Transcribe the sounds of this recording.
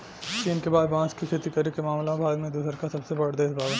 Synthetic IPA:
t͡ʃiːnkebaːd̪bãːskikʰeːt̪ikɐɾikemaːmlãbʱaːɡmẽd̪uːsəɾkasɐbsebɐɽd̪eɪsbaːɡ

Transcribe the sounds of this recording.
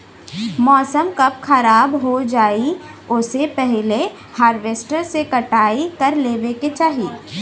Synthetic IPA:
mɔːsəmkɐp̚xɐɾaːbɦod͡ʒaːiʊsepɛɦle | haːɾʋeːsʈəɾsekɐʈaːikɐɾleːʋeket͡ʃaːɦiː

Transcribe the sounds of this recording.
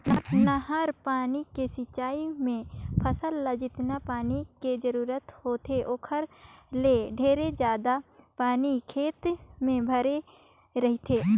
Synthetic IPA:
ɐpnaɦəɾpaːnikesɪt͡ʃːaːimẽpʰəsəlːəd͡ʒɪt̪napaːniked͡ʒəɾuːɾət̪hoːt̪ʰeʔoːkʰəɾleɖʱeːɾed͡ʒjaːd̪apaːnikʰeːt̪mẽbʱəɾe | ɾɐɦit̪ʰeː

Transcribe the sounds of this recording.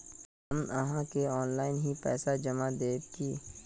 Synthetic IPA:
əməɦãkeɔːnlaːɪnɦipɛ̰ːsad͡ʒəmad̪eːt̪kiː

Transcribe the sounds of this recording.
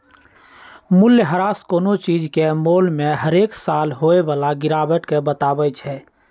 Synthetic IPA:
mʊljɦəɾaːskoːnot͡ʃiːd͡ʒkemoːlmẽɦəɾeːksaːlɦoeʋaːlaɡɪɾaːbəʈkebət̪aːbət͡ʃʰɛː

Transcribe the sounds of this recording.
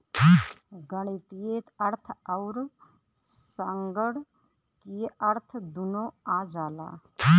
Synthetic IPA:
ɡəɽ̃it̪ieːt̪ɐɾt̪ʰɐʊɾ | səŋɡəɽ | kiʔɐɾt̪ʰd̪unoaːd͡ʒaːla̰ː

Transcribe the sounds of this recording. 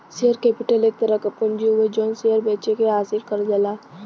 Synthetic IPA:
seɦəɾkepiʈəleːk̚t̪əɾəkəpənd͡ʒiuʋed͡ʒɔnsiəɾbɛt͡ʃekeasiɾkəɾd͡ʒɛla

